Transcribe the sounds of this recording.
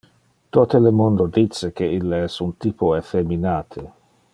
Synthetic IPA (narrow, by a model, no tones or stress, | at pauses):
t̪ot̪elemond̪od̪it̪sekeilːeɛsunt̪ipʰoefeminaːt̪ʰe